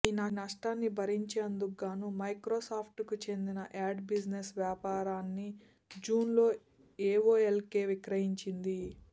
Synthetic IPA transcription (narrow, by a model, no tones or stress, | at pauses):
iːnɐnɐʂʈaːnːibʱɐɾiɲt͡ʃeːnd̪uɡaːnumɐjkɾoːsaːpʰʈkut͡ʃe̞nd̪inɐʔaːɖbid͡ʒnesʋjaːpaːɾaːnːi | d͡ʒuːnlo̞ː | eːʋo̞ːelke̞ːʋikɾɐɦiɲt͡ʃind̪i